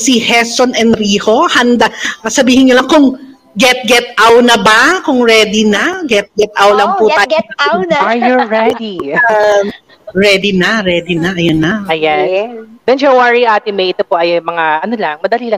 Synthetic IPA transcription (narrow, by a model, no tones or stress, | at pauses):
sihɛsonɛnd̪ɾiːho̞hɐnd̪aʔɐsɐbiːhɪnɲolɐŋkʊŋ | ɡɛt̪̚ɡɛt̪̚ʔawnɐbakʊŋɹɛːd̪inɐɡɛt̪̚ɡɛt̪̚ʔawlɐŋpʊt̪ajɐajʊɹɛd̪i | ɹɛd̪inɐɹɛːd̪inɐʔɐjanːɐɐjad̪ɛnd͡ʒɛwaɹiʔaːt̪ɪmejʔɪt̪opoʔɐjmɐŋaɐnolɐŋmɐd̪ɐliːlɐŋ